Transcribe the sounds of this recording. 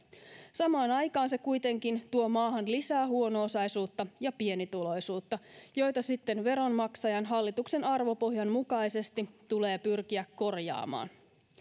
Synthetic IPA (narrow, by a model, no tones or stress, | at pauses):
sɑmɑːnɑjkɑːnse̞kujt̪e̞ŋkint̪uo̞mɑːɦɑnlisæːɦuo̞noːsɑjsuːt̪ːɑjɑpie̞nit̪ulo̞jsuːt̪ːɑjo̞jt̪ɑsit̪ːe̞nʋe̞ɾo̞nmɑksɑjɑnɦɑlːit̪ukse̞nɑrʋo̞po̞ɦjɑnmukɑjse̞st̪it̪ule̞ːpyrkiækːo̞rjɑ̰ːmɑ̰ːn